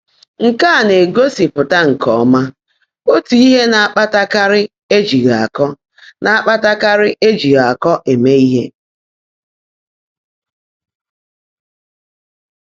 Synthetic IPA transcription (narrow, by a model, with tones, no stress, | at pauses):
ŋ̩˨ka˦a˨ne˨ɡo˦si˨pʊ˨ta˦ŋ̩˨kɔ˨˦ma˦ | o˦tu˨i˦ɦe˦na˨a˦˨k͡pa˦ta˦ka˦ɾɪ˦ | e˦d͡ʒi˨ɣa˨a˨kɔ˦ | nʔa˨a˦k͡pa˦ta˦ka˦ɾɪ˦ʔe˦d͡ʒi˨ɣa˨a˨kɔ˦ʔe˨me˦i˦ɦe˦